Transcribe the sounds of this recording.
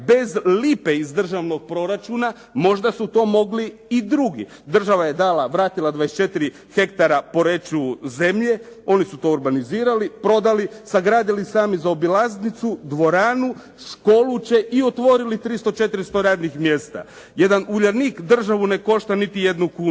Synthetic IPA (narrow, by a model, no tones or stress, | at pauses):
be̞zlipeizd̪r̩ʒaʋno̞ɡ̚pɾo̞ɾat͡ʃuna | mo̞ʒd̪asut̪o̞ːmo̞ɡliːd̪ɾuɡḭ | d̪r̩ʒaʋajed̪alaʋɾaːt̪ilˠad̪ʋaest͡ʃe̞t̪iɾi | xe̞kt̪aɾapo̞ɾe̞t͡ʃuze̞mʎe̞o̞nisut̪o̞ːɾbaniziːɾalipɾo̞d̪alisaɡɾaːd̪ilisaːmizaobilaznit̪sud̪ʋo̞ɾaːnu | ʃko̞lˠut͡ʃeʔio̞t̪ʋo̞ɾilit̪ɾist̪o̞t͡ʃe̞t̪iɾist̪o̞ɾaːd̪nixmje̞st̪a̰ | je̞d̪anuʎaɾnikd̪r̩ʒaʋune̞ko̞ʃt̪anit̪ije̞d̪nukuːn